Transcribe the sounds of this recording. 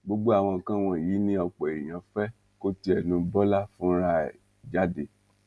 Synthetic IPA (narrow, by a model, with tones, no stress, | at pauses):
ɡ͡bo˦ɡ͡bo˦a˦˨w̃ɔ̃˧˨kã˦˨w̃ɔ̃˧˨ji˨˦nĩ˦ɔ˧k͡pɔ˨e˨j̃ã˧˨fɛ˦ | ko˦ti˧˦ɛ˨nũ˧bɔ˦la˦fũ˦ɾa˦˨ | d͡ʒa˦de˦˨